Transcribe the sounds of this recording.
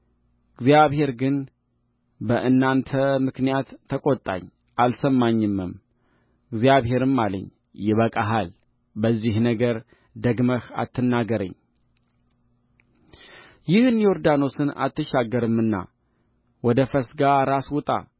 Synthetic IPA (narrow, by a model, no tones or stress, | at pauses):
ɨɡzjaβhe̞ɾɡɨn | bəʔɨnːant̪ʰəmɨknijat̪ːəkʼot̪ʼːa̰ɲː | ʔalsəmːaɲːɨmːɨm | ɨɡzjaβhe̞ɾɨmːalə̰ɲː | jɛβəkʼaɦal | bəzːihnəɡəɾ | d̪əɡməha̰t̪ʰːɨnːaɡəɾə̰ɲː | jɪhɨnijoɾd̪ano̞sɨna̰t̪ʰːɨʃaɡːəɾɨmːɨnːa̰ | wɔd̪əfəsɡaɾaswʊt̪ʼa̰